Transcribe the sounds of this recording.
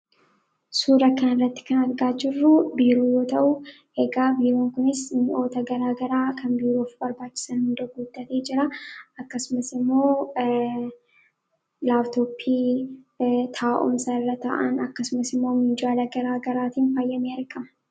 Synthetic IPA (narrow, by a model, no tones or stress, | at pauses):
suːɾɐkɐnɪrːɐt̪ːɪ̥kɐnɐɾɡaːd͡ʒɪrːʊbiːɾuːjoːt̪ɐʔʊ | heːɡaːbiːɾoːŋkʊnɪsnɪʔo̞ːt̪ɐɡɐɾaːɡɐɾaːkʰɐnbiːɾoːfbɐɾbaːt͡ʃːɪ̥sɐnhʊnd̪ɐɡuːd̪̥ːɐt̪eːd͡ʒɪɾɐɐkːɐsʊmɐsɪmːo̞ː | laːft̪oːpʰːiː | t̪ʰaːʔʊ̰msɐɪrːɐt̪a̰ʔɐ̰nɐkːɐsʊmɐsɪmːo̞ːmɪd͡ʒaːlɐɡɐɾaːɡɐɾaːt̪iːnfaːjːɐmiːɐɾkʼɐmɐ̥